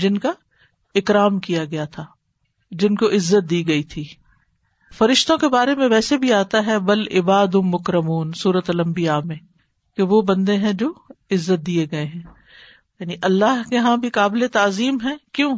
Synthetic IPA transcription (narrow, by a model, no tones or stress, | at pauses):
d͡ʒɪnka | ɪkɾaːmkijaɡɐjat̪ʰaː | d͡ʒɪnkoʔɪzːət̪̚d̪iːɡɐit̪ʰiː | fɐɾɪʃt̪õkebaːɾemẽʋɛːsebʱiaːt̪aɦɛbɐlɪbaːd̪ʊ̃mːʊkɾɐmuːnsuːɾət̪lɐ̃mbijaːmẽ | keʋobɐ̃nd̪eɦɛ̃d͡ʒoːɪzːət̪̚d̪ieɡɐeɦɛ̃ː | jaːniʔɐlːaɦkeɦãbʱikaːbɪlet̪aːziːmɦɛ̃kjõː